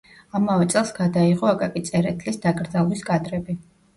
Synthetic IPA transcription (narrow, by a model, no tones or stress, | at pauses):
amavɛt̪sʼɛlˠsɡad̪aiʁɔakʼakʼit̪sʼɛɾɛt̪ʰlisd̪akʼɾd̪zalˠwiskʼad̪ɾɛbi